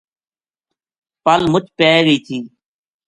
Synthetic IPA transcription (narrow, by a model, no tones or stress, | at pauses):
pəlmʊt͡ʃpeːɡəiːt̪ʰiː